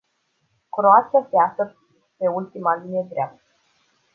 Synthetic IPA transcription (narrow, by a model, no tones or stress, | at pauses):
kɾoasaseasər | pe̞ult̪imad̪ined̪ɾeap̚t̪ə̥